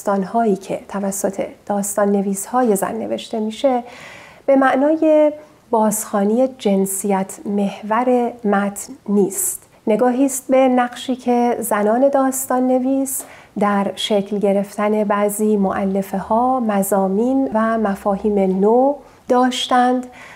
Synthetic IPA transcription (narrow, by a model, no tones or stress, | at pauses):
t̪ɒːnhɒːiːcʰe̞̰t̪ʰævæsːo̞t̪ʰe̞̰d̪̥ɒːst̪ɒːnːe̞viːshɒːje̞zæ̰nːe̞ve̞ʃt̪e̞miːʃe̞ | b̥e̞mæʔnɒːje̞ | bɒːzxɒːniːje̞d͡ʒe̞nsijæt̪ʰme̞hvæɾe̞mæt̪ʰnːiːst̪ | ne̞ɡɒːɦiːst̪̚be̞næɡʃiːcʰe̞zænɒːne̞d̪ɒːst̪ɒːnːe̞viːsd̪æɾʃecʰlɟe̞ɾe̞ft̪æne̞bæziːmoʔælːe̞fehɒːmæzɒːmiːnvæmæfɒːhiːmeno | d̪ɒːʃt̪ænd̪